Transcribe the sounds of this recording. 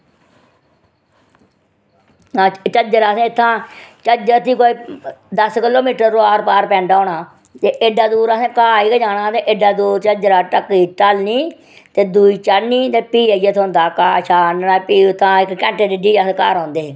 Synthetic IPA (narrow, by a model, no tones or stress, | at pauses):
ãːt͡ʃəd͡ʒəɾaːsẽːɪt̪ʰːãːt͡ʃəd͡ʒəɾt̪iːkoːiːd̪əskɪloːmiːʈəɾːoaːɾpaːɾpɛ̃ːɳɖaːɳaː | t̪eːʔeɖaːd̪uːɾəsẽːkaːiːkəd͡ʒaːnãːt̪eːʔɪɖaːd̪uːɾt͡ʃəd͡ʒəɾaːʈəkːiːʈalniː | t̪eːd̪uiːt͡ʃaɾniːt̪eːpiːajet̪ʰõnd̪aːkaːʃaːnaːpiːʊt̪ʰːãːɪkːɛ̃ːɳʈeːd̪iɖiːasẽːka̰ːɾãːnd̪eː